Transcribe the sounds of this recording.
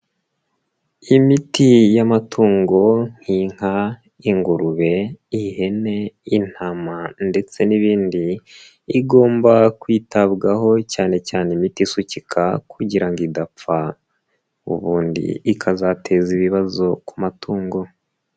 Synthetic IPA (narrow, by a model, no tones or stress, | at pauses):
imitijamatʰuːŋɡo̞ŋ̥hiŋ̥ha | iŋɡuɾuβe̞ihe̞ne̞in̥hamande̞t͡se̞niβiːndiː | ɡo̞ːmbakwiːtabɡaɦo̞caːne̞caːnimitisucikʰakʰuɟiɾaŋɡidap͡fa | ṵβuːndḭːkʰazatʰe̞ziβiβazo̞kumatʰuːŋɡo̞